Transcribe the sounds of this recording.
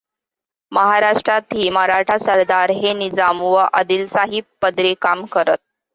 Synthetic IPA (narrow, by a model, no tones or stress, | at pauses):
məɦaɾaʂʈɾat̪iːmaɾaʈʰasəɾd̪aɾɦenid͡zamʋəʔəd̪iːlsaɦippːəd̪ɾekamkəɾət̪̚